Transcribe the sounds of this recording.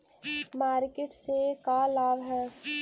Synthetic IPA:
maːɾkeʈsekalaːʋɦɛː

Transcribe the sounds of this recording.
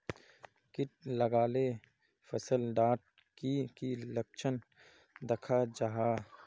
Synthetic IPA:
kɪʈ̚ləɡaːle | fəsəlɖaːʈ̚ | kikilək̚t͡ʃʰən | d̪ɐkʰad͡ʒaɦaː

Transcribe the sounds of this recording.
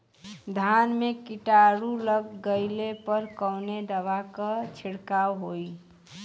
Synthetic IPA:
d̪ʱanmekiʈaɾuləɡːəɪlepəɾkəwned̪əbakət͡ʃʰɪɽkawɦoi

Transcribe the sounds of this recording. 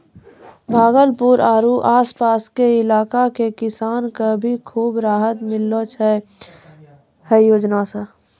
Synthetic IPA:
bʱaːɡəlpuɾaːɾuʔaːspaːskeɪlaːkakekɪsaːnkabʱikʰuːbɾaːɦət̪mɪlːot͡ʃʰɛ | hɛjoːd͡ʒnasa

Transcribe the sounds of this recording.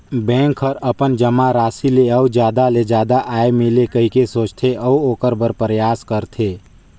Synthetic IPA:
bɛ̃ːŋkʰəɾəpənd͡ʒəmaɾaːsileəwd͡ʒjaːd̪aled͡ʒaːd̪aʔaːemɪlekəɦikesoːt͡ʃt̪ʰeʔəuoːkəɾbəɾpɾjaːskəɾt̪ʰeː

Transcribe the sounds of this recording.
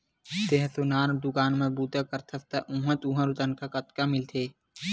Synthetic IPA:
t̪eɦsunaːnd̪ʊkaːnmẽbuːd̪ʱakəɾt̪ʰɐst̪aʔũɦə̃t̪ũɦə̃ɾut̪ənkakət̪kamɪlt̪ʰeː

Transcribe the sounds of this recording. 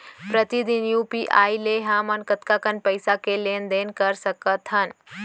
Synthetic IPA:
pɾət̪id̪injupiʔaːileɦaːmənkət̪kakənpəɪsakeleːnd̪eːnkəɾsəkət̪ɦən

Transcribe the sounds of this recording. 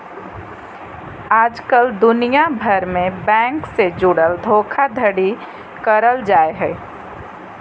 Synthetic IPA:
aːd͡ʒkəld̪ʊnijabʱəɾmẽbɛ̃ːŋksed͡ʒʊɽəld̪ʱoːkʰad̪ʱəɽi | kəɾəld͡ʒaːeɦɛː

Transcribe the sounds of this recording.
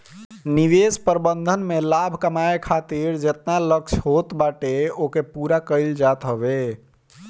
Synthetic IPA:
niʋespəɾbənd̪ʱənmelabʱkəmaekʰat̪iɾd͡ʒet̪nalək̚t͡ʃʰɦot̪baʈeokepuɾakəɪld͡ʒat̪ɦəbe

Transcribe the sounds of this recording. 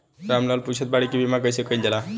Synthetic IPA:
ɾamnalput͡ʃʰət̪̚baɽikibʱimakəjsekəild͡ʒela

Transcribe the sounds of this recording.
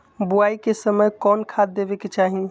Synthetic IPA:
buaikesəməjkɔnkʰad̪ːebeket͡ʃaɦi

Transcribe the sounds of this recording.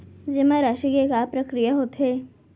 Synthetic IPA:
d͡ʒemaɾaʃikekapɾɐkɾijaɦot̪ɦe

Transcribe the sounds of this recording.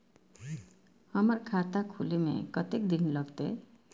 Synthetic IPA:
hʌmʌɾkʰat̪akʰulemḛkʌt̪ek̚d̪inlʌɡt̪ḛ

